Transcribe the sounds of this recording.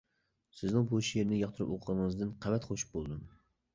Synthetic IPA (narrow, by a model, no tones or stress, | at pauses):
sɪznɪŋbuʃieɾnɪjɑχt̪ʰɨɾɨpoqʰəʁɑnəŋɨzd̪ɨnqʰævɛt̪χʰoʃu̥p̚bolˠd̪um